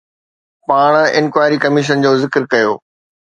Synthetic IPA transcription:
paːɽ̃ɪ̰nkwaːɪɾikɐmɪʃ̬ənd͡ʑoːzɪkɾkɐjoː

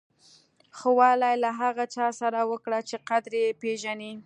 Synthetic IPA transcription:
xowɑlajlaɦaɣat͡ʃɑsaɾawəkɽat͡ʃeqad̪ɾjepeʒani

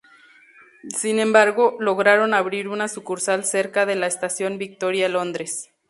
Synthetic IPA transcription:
sinẽ̞mbaɾɣo̞lo̞ɣɾaɾo̞naβɾiɾunasukuɾsalse̞ɾkaðe̞laest̪asjo̞mbik̚t̪o̞ɾjalo̞nd̪ɾe̞s

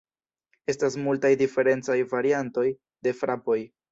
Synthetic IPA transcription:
e̞stas̬multajdife̞ɾe̞nt͡sajvaɾianto̞j | de̞fɾapo̞j

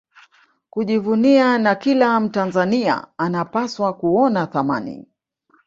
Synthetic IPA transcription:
kuʄivunianakilam̩tanzania̰anapaswakuɔnaθama̰nḭ

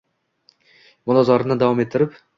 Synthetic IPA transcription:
mʊlˠɒzɒɾɪnɪd̪avɒme̞t̪ʰːɪɾɪp

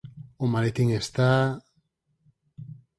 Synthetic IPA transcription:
omalet̪iŋest̪a

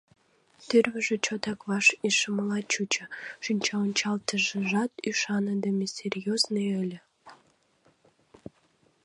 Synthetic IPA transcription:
t̪erβəʒĕt͡ɕot̪ɑkβɑʃiʃəməlɑt͡ɕut͡ɕə̆ʃynʲt͡ɕɑonʲt͡ɕɑlt̪əʒəʒɑt̪yʃɑnəd̪əmʲesʲerʲjoznəjəlʲə̆

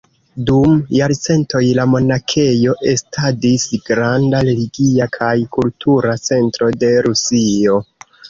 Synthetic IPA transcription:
dumjaɾt͡se̞nto̞jlamo̞nakʰe̞jo̞ʔe̞stʰadisɡɾandaɾe̞liɡiakʰajkultʰuɾat͡se̞ntɾo̞de̞ɾusio̞

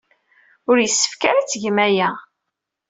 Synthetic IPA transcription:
ʊɾjəsːə̥fkaɾat͡sːʝmæjæ

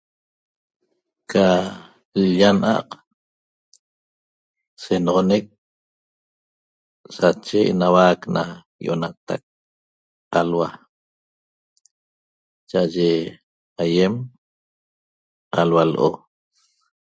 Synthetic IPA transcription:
kʰa | lʎanʔa̰q | senʁonek̚ | sat͡ʃeḛnawakna | joʔonat̪a̰k̚ | alwa | t͡ʃaʔaʒe | ajem | alwalʔo̰

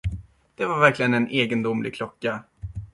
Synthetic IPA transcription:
d̪̥ɛvaɾvæɾklɪɡənɛnʔeːɡənd̪ʊmlɪ̰ɡ̚kʰlɔkːa

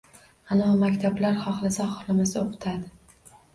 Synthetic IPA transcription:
anɒmakʲt̪ʰablaɾχɒχlˠasaχɒχlˠamasaoqʰɨ̥t̪ʰad̪ɪ

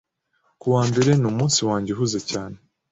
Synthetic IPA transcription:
kuwaːmbe̞ɾe̞numuːnsiwaːɲɟeɦuzecaːne

